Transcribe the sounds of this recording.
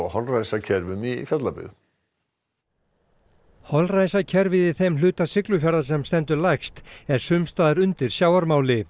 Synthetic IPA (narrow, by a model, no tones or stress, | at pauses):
ahɔlrajsacʰɛɾvʏmifjœt̪lapɪ̰ːð | hɔlrajsacʰɛɾvɪðɪθejmlʏːt̪asɪklʏfjaɾðasɛmst̪ɛnt̪ʏɾlajxst̪ɛɾ̥sʏmst̪aːðɪɾʏnt̪ɪɾ̥sjaːwaɾmaːwlɪ